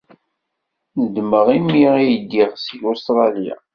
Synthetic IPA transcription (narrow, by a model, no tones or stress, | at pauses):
nəd̪məʁimːiʁijəd̪ːiʁsilost̪ɾˤɑlja̰